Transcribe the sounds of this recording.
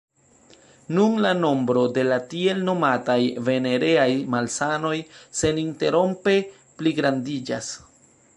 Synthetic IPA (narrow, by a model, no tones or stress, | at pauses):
nunlano̞mbɾo̞de̞latie̞lno̞matajve̞ne̞ɾe̞ajmalsano̞jse̞ninte̞ɾo̞mpe̞ | pliɡɾandid͡ʒas